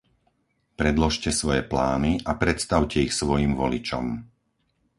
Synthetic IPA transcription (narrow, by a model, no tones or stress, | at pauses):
pɾɛd̪lɔʃcɛsʋɔjɛplaːniʔapɾɛt̪st̪aʊcɛixsʋɔjiːmʋɔlit͡ʃɔ̰m